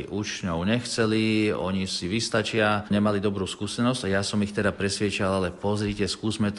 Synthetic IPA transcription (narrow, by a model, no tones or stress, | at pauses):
iʔut͡ʃɲɔʊɲɛxt͡sɛliɔ̰ɲisiʋist̪at͡ʃɪaɲɛmalid̪ɔbɾuːskuːsɛnɔzɟajasɔmixt̪ɛd̪apɾɛsʋɪɛt͡ʃalalɛpɔzɾicɛskuːzmɛt̪